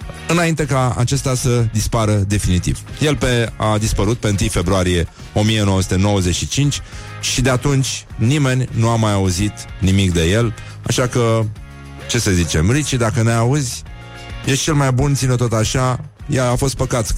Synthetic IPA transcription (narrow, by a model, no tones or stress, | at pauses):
ɨnaint̪e̞kaa̰t͡ʃe̞st̪asəd̪ispaɾəd̪e̞finit̪ḭvje̞lpead̪ispəɾut̪̚pe̞ɨnt̪ɨjfe̞bɾuaɾije̞ | o̞mije̞nowəsu̥t̪e̞no̞wəze̞t͡ʃʃit͡ʃint͡ʃʲ | ʃid̪e̞at̪unt͡ʃʲnime̞nʲnuamajauzit̪nimikd̪e̞je̞l | a̰ʃakə | t͡ʃe̞səzit͡ʃe̞mɾit͡ʃid̪akəneauzʲ | jet͡ʃe̞lmajbunt̪sinot̪o̞t̪aʃa | jaafo̞st̪̚pəkat̪s